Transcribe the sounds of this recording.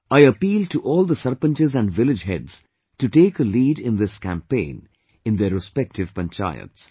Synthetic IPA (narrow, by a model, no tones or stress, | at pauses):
aɪəpiːl̚ʈuʔɔːlˠd̪əsʌɾpə̃nt͡ʃɪzæ̃nɖʋɪlɪd͡ʒɦɛ̰dz̥ | tuʈeːkəliːɾɪ̃nd̪ɪskæ̰̃mpẽɪ̃n | ɨ̃nd̪əɾɪspɛk̚tɪv̥pə̃nt͡ʃa̰ɪə̰ts